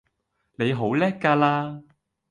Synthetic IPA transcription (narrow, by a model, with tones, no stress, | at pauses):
ne˨˧jɦo˨˥wlɛː˥kːaː˧laː˥